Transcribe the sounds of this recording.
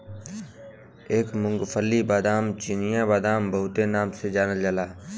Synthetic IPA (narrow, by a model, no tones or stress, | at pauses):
eːkmʊ̃ŋɡpʰəlːibaːd̪aːmt͡ʃinijãbaːd̪aːmbəɦʊt̪enaːmsed͡ʒaːnəld͡ʒəlaː